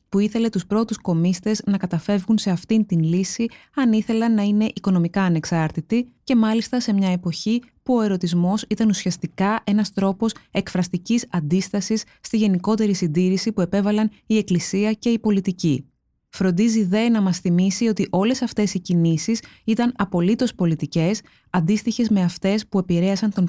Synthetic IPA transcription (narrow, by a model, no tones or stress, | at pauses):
puiθe̞le̞t̪uspɾo̞t̪usko̞mist̪e̞znɐkɐt̪ɐfe̞vɣunse̞ɐft̪int̪inlisiɐniθe̞lɐnːɐine̞ʔiko̞no̞mikɐːne̞ksɐɾt̪it̪ice̞mɐlist̪ɐse̞mɲɐe̞po̞çi | puo̞e̞ɾo̞t̪izmo̞sit̪ɐnusiɐst̪ikɐʔe̞nɐst̪ɾo̞po̞se̞kfɾɐst̪icisɐnd̪ist̪ɐsisːt̪iʝe̞niko̞t̪e̞ɾisind̪iɾisipue̞pe̞vɐlɐnie̞klisiɐce̞ipo̞lit̪ici | fɾo̞nd̪iziðe̞nɐmɐsθimisio̞t̪iʔo̞le̞sɐft̪e̞sicinisisit̪ɐnɐpo̞lit̪o̞spo̞lit̪ice̞s | ɐnd̪ist̪içe̞zme̞ɐft̪e̞spue̞piɾe̞ɐsɐnt̪o̞n